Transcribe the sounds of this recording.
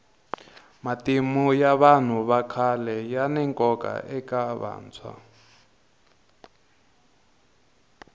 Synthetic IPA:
matimujaβan̤uβakʰalɛjanɛŋkʼɔka̰ʔɛkaβa̰ːnt͡sʰwa̰

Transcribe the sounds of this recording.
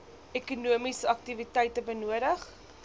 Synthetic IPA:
ɛkunuəmisəɐk̚tivitɛjtəbənuəɾəχ

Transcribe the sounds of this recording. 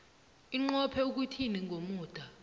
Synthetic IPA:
iŋ͡ǃɔpʰɛuk̬utʰiniŋɡʱomuːd̥ʱa

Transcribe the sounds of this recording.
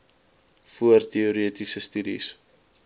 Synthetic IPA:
fuərtiuɾiətisəstydḭs

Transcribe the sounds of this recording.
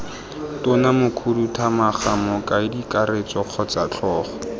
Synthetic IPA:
tʊnamʊkʰudutʰamaχamɔkʼaɪdikaret͡sɔq͡χʰɔt͡sat͡ɬʰɔːχɔ̥

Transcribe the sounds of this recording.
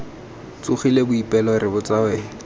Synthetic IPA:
t͡suχilebʊipʼɛlɔrɪbʊt͡sʼawɛ

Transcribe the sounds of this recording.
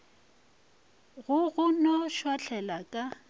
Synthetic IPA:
ɣʊɣʊnɔʃwat͡ɬʰɛlakʼa

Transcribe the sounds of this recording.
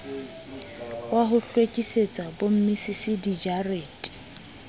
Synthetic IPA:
waɦʊɬwet͡ʃʼiset͡sʼabom̩misisɪdid͡ʒareːtʼ

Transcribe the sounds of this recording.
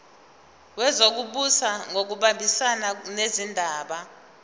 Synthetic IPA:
wɛzok̬uɓusaŋok̬uɓambʱisananezindʱaːɓa

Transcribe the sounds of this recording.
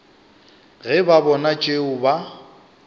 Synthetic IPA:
ɣɛbabɔnat͡ʃʼeʊba

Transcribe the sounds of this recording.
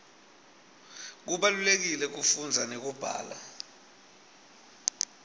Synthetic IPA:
k̬uɓalulek̬ilɛk̬ufund͡zʱanek̬ub̥ʱa̰ːla̰

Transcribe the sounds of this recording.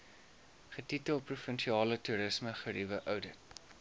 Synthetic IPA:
χətitəlˠprufənʃiɑːlətuɾəsməχəɾivəʔœwdət̚

